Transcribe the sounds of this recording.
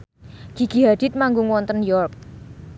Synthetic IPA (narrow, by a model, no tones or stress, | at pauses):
ɡ̥i̤ɡ̥i̤ɦad̪̥ɪt̪̚maŋɡuŋwɔnt̪ənjɔrp̚